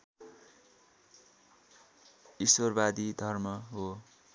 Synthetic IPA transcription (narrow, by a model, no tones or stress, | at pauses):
iswʌrbad̪id̪ʱʌrmʌɦo